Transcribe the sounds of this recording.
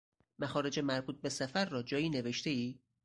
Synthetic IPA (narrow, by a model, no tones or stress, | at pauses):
mæxɒːɾe̞d͡ʒemæɾbuːt̪̚be̞sæfæɾːɒːd͡ʒɒːjiːneve̞ʃt̪e̞iː